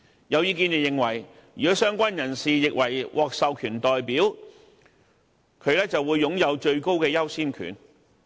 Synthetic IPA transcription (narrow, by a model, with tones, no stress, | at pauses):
jɐ˨˧wjiː˧˥k̬iː˧njɛː˨˧jɪ˨ŋwɐ˨˩j | jyː˨kɔː˨˥sœː˥ŋkʷɐ˥njɐ˨˩nsiː˨jɪ˨k̚wɐ˨˩jwʔɔː˨˧k̚sɐ˨˧wkʰyː˨˩nt̪ɔː˨jpiː˨˥w | kʰɵ˨˧ɥlɛː˥t͡sɐ˨wuː˨˧jːʊ˨˥ŋjɐ˨˧wt͡ʃɵ˧ɥko˥wkɛː˧jɐ˥wsiː˥nkʰy̰ː˨˩n